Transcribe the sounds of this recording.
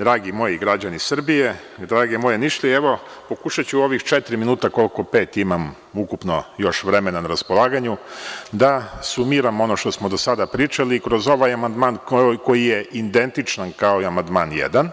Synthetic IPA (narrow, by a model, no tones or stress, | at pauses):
d̪ɾaːɡimo̞jiɡɾad͡ʑanisr̩bije̞ | d̪ɾaːɡemo̞je̞niʃlieʋo̞ | po̞kuʃat͡ɕuo̞ʋixt͡ʃet̪ɾiminuːt̪ako̞lko̞pe̞ːt̪imam | ukupno̞jo̞ʃʋɾe̞me̞nanaɾaspo̞lˠaːɡaɲud̪asumiɾamo̞no̞ʃt̪o̞smo̞d̪o̞sad̪apɾit͡ʃaliːkɾo̞zo̞ʋajamand̪maːnko̞jije̞ʔind̪e̞nt̪it͡ʃnankaoiamand̪maːnjḛd̪an